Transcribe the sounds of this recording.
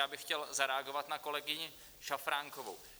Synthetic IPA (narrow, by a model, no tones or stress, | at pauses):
aːbɪxcɛlzaɾɛaɡo̞vat̪nako̞lɛɡɪɲɪ | ʃafɾaːŋkovo̰w